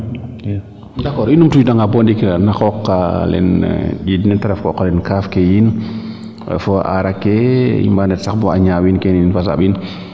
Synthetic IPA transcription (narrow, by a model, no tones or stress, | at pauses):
dakɔːɾinumtujdaŋɡabɔndiknaxɔkːalɛ̰nɗidnɛtɛɾɛfkɔ̰kɔlɛnkafkɛjin | ɛ̰fɔʔa̰ɾakɛjḭmbandɛtsaxbɔaɲawinkɛniinfas̬a̰bin